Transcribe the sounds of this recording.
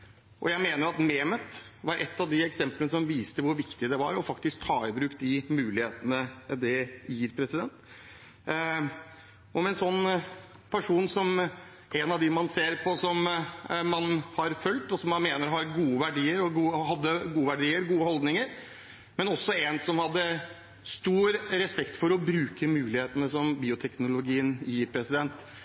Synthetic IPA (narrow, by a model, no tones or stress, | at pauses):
ʔɔ̰jæɪmeːnəɾɑt̪meːmət̪ʋɑɾʔɛt̪ːɑʋd̪ɪɛksɛmpləəsɔmʋiːst̪əʋʊɾʋɪkt̪ɪd̪ɛʋɑ̰ɾɔfɑkt̪ɪsk̚t̪ʰɑːɪbɾʉːk̪d̪ɪmʉːlɪheːt̪ənəd̪ɛjiːɾpʰɾɛsɪd̪ɛnt̪ | ɔmɛnsɔnː | pʰæʂuːnsɔm | ɛnɑʋd̪ɪmɑnseːɾpʰɔsɔmmɑnhɑɾfœlt̪ɔsɔmːɑnmeːnəɾɦɑɾɡuːəʋæɖiːəɾɔɡuːhɑd̪ːəɡuːəʋæɖiːəɾɡuːəhɔld̪nɪŋəɾ | mɛnɔsːɔɛnsɔmhɑd̪ːə | st̪uːɾɾɛspɛkt̪fɔɾɔbɾʉːkəmʉːlɪheːt̪ənəsɔmbiːʊt̪ʰɛknʊlʊɡiːənjiːɾpʰɾɛsɪd̪ɛnt̪